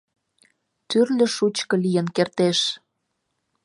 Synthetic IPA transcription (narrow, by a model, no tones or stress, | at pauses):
t̪yrlʲə̆ʃut͡ɕkɤ̆lijə̆nkert̪eʃ